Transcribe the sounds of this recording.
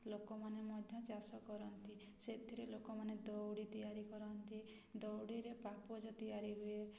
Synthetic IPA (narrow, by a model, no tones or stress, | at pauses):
lokɔmanemɔd̪ʱjɔt͡ʃasɔkɔɾɔnt̪i | set̪ʰiɾelokɔmaned̪ɔwɽit̪ijaɾikɔɾɔnt̪i | d̪ɔwɽiɾepapɔd͡ʒɔt̪ijaɾiɦue